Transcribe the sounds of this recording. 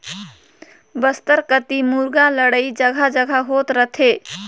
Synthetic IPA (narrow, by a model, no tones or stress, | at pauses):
bəst̪əɾkət̪imuɾɡaləɽəjd͡ʒəɡʱad͡ʒəɡʱaɦot̪ɾət̪ʰe